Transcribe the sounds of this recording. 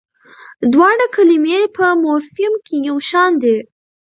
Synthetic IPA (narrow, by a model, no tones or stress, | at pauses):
d̪wɑɽakʰalimepʰəmoɾhɪmkʰejawʃɑnd̪e